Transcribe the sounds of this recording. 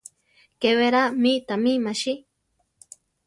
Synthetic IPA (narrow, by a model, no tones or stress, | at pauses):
keweɾamit̪amimaʃi